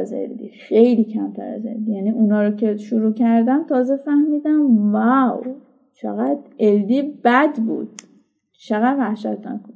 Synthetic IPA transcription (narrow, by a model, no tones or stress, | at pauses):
ze̞̰ld̪ḭxejliːcʰæmt̪ʰæ̰ɾæ̰ze̞̰ld̪ijæniʔunhɒːɾocʰe̞ʃuɾuːcʰæɾd̪ænt̪ʰɒːzefæhmiːd̪æmvæw | t͡ʃʰḛɣæd̪̥ʔe̞ld̪iːb̥æd̪bṵːd̪̥ | t͡ʃʰeɣæd̪væhʃæt̪ʰnæ̰kʰon